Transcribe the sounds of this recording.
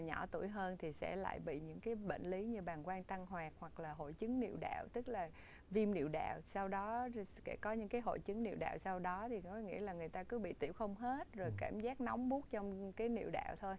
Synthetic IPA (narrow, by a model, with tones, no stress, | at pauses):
ɲɔ˧˩t̪u˧˩əjɦəː˧nt̪ʰi˨˩sɛ̰˧˥la̰ː˧˨jɓḭ˧˨ɲɨ̰˧˥ŋkaː˨˦jɓḛ˧˨ŋ̟li˨˦ɲɨ˧ɓaː˨˩nkwaː˧nt̪a˧ŋɦwaː˨˩k̚hwa˨˩k̚laː˨˩ɦo̰˧˨jt͡ɕɨ˨˦ŋnḭ˧˨wɗa̰ː˧˨wt̪ɨ˦˥k̚laː˨˩ | vi˧mnḭ˧˨əwɗa̰ː˧˨wsa˧wɗɔ˨˦kɛ̰˧˩kɔ˨˦ɲɨ̰˧˥ŋkaː˨˦jɦo̰˧˨jt͡ɕɨ˨˦ŋnḭ˧˨əwɗa̰ː˧˨wsa˧wɗɔ˨˦t̪ʰi˨˩kɔ˨˦ŋḭ˧˥əlaː˨˩ŋɨ˨˩əjt̪aː˧kɨ˨˦ɓḭ˧˨t̪ḭ˧˩wxə˧wŋ͡mɦe˦˥t̚zo˨˩jkaː˧˩mzaː˦˥k̚na˨˦wŋ͡mɓu˦˥ək̚t͡ɕɔ˧wŋ͡mkaː˨˦jnḭ˧˨əwɗa̰ː˧˨wt̪ʰo˧j